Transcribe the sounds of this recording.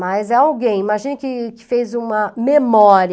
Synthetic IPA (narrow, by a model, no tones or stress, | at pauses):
mɐjzɛawɡẽj̃imaʒĩnʊkɪkɪ̥fejzũmɐmemɔɾi